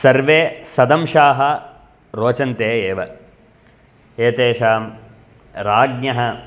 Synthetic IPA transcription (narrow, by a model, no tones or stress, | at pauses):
sɐɾʋeːsɐd̪ɐmʃaːɦɐ | ɾoːt͡ʃɐnt̪eːeːʋɐ̰ | eːt̪eːʃaːm | ɾaːɡ̚nɐɦɐ